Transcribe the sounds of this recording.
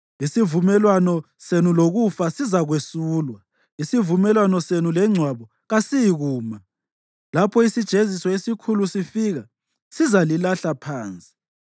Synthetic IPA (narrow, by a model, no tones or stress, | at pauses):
isivumɛlwanɔ | senuloɣufasizaɣwesuːlwa | isivumɛlwanɔsenulɛŋ͡ǀʱwaβɔ | ɣasijɣuːma | lapʰɔisid̥ʒ̥ʱezisɔesikʰulusifiɣa | sizalilaɬapʰaːnt͡sʼi̥